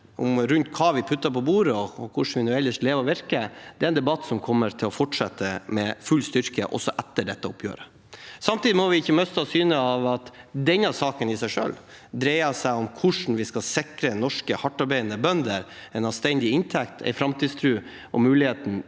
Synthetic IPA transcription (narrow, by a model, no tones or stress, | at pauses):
ʔɔmɾʉnt̪kʰɑːʋɪpʰʉt̪ːəpɔbuːɾəɔɔkʰʊʂɳn̩ʋɪnʉːɛlːəʂʈleːʋəʋɪɾkəd̪ɛæɪnd̪ɛbɑt̪ːsɔmkʰɔmːəɾt̪ʰɪlɔfɔʈʂɛt̪ːəmɛfʉlst̪ʏɾkəʔɔ̰sːɔʔɛt̪ːəɖɛt̪ːəʊpʰjø̰ːɾə | sɑmt̪iːd̪ɪmɔʋɪɪçːəmœst̪ɑsyːnəɑʋɑt̪d̪ɛnɑsɑːkənɪsæɪʂø̰ːl | d̪ɾɛɪɑsæɪɔmkʰʊʂn̩ʋɪskɑsɪkɾənɔʂkəhɑʈːɑɾbæɪənəbœnd̪əɾɛɪnɑst̪ɛnd̪ɪɪnt̪ʰɛkt̪ʰɛ̰ɪfɾɑmt̪ʰiːd̪st̪ʰɾʉː | ʔɔmʉːlɪheːt̪n̩